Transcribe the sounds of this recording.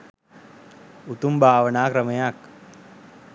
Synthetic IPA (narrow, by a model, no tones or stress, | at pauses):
ut̪umbʱaːʋɐnaːkɾɐmɐjak